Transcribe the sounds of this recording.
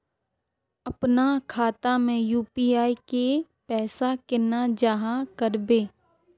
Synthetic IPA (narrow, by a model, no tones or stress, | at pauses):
əpnakʰaːt̪amẽjuːpiːaːike | pɛːsakɪnad͡ʒaɦãkəɾbeː